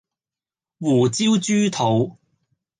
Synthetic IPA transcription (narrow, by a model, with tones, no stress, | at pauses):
wuː˨˩t͡siː˥wt͡ʃyː˥t̪ʰo˨˧w